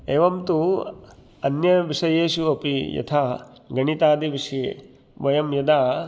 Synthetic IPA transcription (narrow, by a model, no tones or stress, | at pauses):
eːʋɐmt̪u | ɐnjɐʋiʂɐjeːʃuɐpijɐ̰t̪ʰaː | ɡɐɳit̪aːd̪iʋiʂi | ʋɐjɐmjɐd̪aː